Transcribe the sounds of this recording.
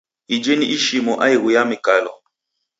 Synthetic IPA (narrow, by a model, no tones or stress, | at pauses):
id͡ʒeniʔiʃimɔʔaiɣujamikalɔ̰